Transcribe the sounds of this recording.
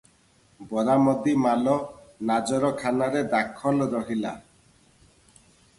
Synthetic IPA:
bɔɾamɔd̪imalɔnad͡ʒɔɾɔkʰanaɾed̪akʰːɔlɾɔɦila

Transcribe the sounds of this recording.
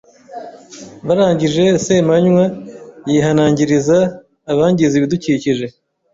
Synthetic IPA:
βaɾaːɲɟiʒe̞semaɲwajiːɦanaːɲɟiɾizaː | βaːɲɟiziβiduciːciʒe̞

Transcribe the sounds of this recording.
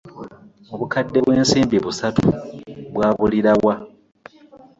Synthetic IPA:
oβukadːe̞βwe̞ːnsiːmbiβusatṵβwaːβuliɾawa

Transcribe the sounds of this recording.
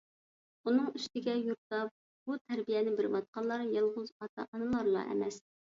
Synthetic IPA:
unɨŋiʃt̪ɪɡʲɛjuɾt̪ɑp̚ | b̥ut̪ʰæɾbijɛnɪbɪɾmɑt̪̚qɑnlˠːɑɾjɑlˠʁʊzɑt̪ʰɑ̰ʔɑnɨlˠɑɾlˠɑ̰ʔɛ̰mɛs

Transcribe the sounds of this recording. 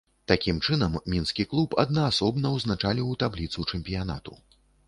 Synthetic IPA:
t̪akʲimt͡ʂɨnɐmːʲinskʲiklˠupɐd̪̚nɐːsɔbnɐwznat͡ʂalʲiwt̪ablʲit̪sut͡ʂɛmʲpʲijana̰t̪ṵ

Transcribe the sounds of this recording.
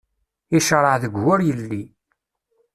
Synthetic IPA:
iʃəɾˤəʕðəɡːʊɾjəlːi

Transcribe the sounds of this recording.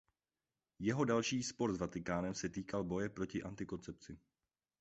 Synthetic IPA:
jɛɦo̞dalʃiːspo̞ɾzvat̪ɪkaːnɛmsɛt̪iːkalbo̞jɛpɾo̞cɪʔant̪ɪko̞nt͡sɛp̚t͡sɪ

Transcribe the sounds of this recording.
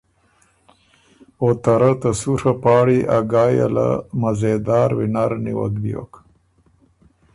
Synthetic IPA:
ot̪aɾat̪ɐsuɾapɑːɽiʔaɡɑːja̰la̰mɐzed̪ɑːɾwinaɾniwa̰kb̪ijo̰k

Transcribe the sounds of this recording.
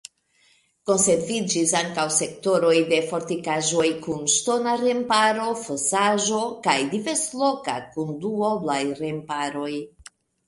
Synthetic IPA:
ko̞nse̞ɾvid͡ʒisaŋkawse̞kto̞ɾo̞jde̞fo̞ɾtikaʒo̞jkunʃto̞naɾe̞mpaɾo̞fosaʒo̞kajdive̞ɾslo̞ka̰kunduoblajɾempaɾo̞j

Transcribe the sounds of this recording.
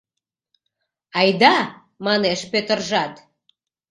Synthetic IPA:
ɑjd̪ɑ | mɑneʃpøt̪ə̆rʒɑt̪

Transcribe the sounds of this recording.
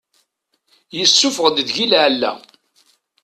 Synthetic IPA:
jəsːʊfəʁd̪ðʝilʕlːæ̰

